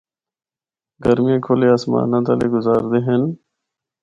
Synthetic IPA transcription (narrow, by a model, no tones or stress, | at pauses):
ɡəɾmijẽːkʰoːleːaːsma̰ːnãːt̪əlḛːɡʊzaːɾd̪eːɦen